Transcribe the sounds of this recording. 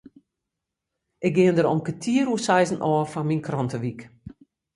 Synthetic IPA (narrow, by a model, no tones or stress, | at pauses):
ʔɪk̚ɡɪəndəɾɔmkətʰiəɾusɛjzn̩ʔɔːfanminkrɔntəʋik